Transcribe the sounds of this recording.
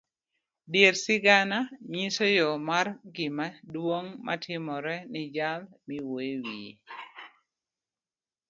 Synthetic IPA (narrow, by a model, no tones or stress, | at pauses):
djeɾsɪɡanamisojɔmarɡɪmadwoŋma̰tʰɪmɔɾɛnɪd͡ʒalmiwoewi